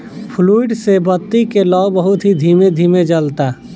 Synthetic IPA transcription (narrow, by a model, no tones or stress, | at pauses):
pʰluiɖsebət̪ːikelɔbəɦʊt̪ɦid̪ʱiːmed̪ʱiːmed͡ʒəlt̪a